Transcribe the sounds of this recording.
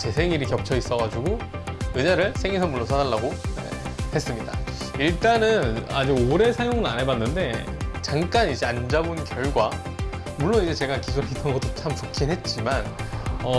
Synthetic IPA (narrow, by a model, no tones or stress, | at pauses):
t͡ɕe̞sʰe̞ŋiɾikjʌp̚t͡ɕʰʌis͈ʌɣad͡ʑuɡojeɲaɾɯɭsʰe̞ŋesʰʌmuɭːosʰadaɭːaɡoḛhe̞s͈ɯmɲida̰iɭt͈anɯna̰d͡ʑiɡoɾe̞sʰajoŋɯɾa̰nɦe̞banːɯnde̞ | t͡ɕaŋk͈anid͡ʑe̞and͡ʑabunkjʌɭɡwa | muɭːonid͡ʑe̞t͡ɕe̞ɡakisʰuɾeit͈ʌnɡʌt͈o̥t͡ɕʰamt͡ɕokʰinɦe̞t̚t͡ɕ͈imanʌ